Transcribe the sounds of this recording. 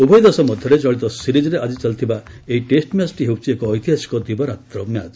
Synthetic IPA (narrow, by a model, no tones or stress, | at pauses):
ubʱɔjd̪asɔmɔd̪ʱjɔɾet͡ʃɔɭit̪ɔsiɾid͡ʒɔɾead͡ʒit͡ʃalt̪ʰiba | eiʈesʈmjasʈiɦewt͡ʃʰiekɔːjt̪iɦasi̥kɔd̪ibɔɾat̪ɾɔmja̰d͡ʒ